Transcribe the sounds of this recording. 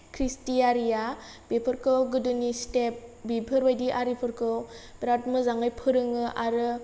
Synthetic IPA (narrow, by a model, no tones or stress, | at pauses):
kʰɾistijaɾija | bepʰɯɾkʰɯwɡɯdɯnistep̚bibʱɯɾbajdiʔaɾipʰɯɾkɯb̥ɾatmɯzaŋɯjpʰɯɾɯŋɯʔaɾɯ